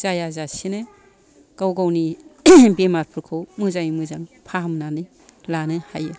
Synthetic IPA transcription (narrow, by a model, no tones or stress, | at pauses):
z̥ajazasinɯ | ɡ̥awɡawnibemaɾpʰɯɾkʰɯwmɯzaŋimɯzaŋpʰaɦamnanɯ | lanɯhajɯ